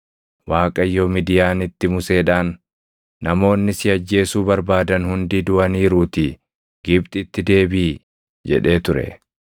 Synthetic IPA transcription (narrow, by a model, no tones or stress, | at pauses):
waːkʼɐjːoːmɪd̪ɪjaːnɪt̪ːɪmʊse̞ːᶑaːnː | ɐmo̞ːnːɪsɪɐd͡ʒːe̞ːsuːbɐɾbaːd̪ɐnhʊnd̪iːd̪ʊɐniːɾuːt̪ɪ | ɡɪbt̪ʼɪt̪ːɪd̪e̞ːbiː | d͡ʒɛ̰ᶑe̞ːt̪ʊɾɛ̰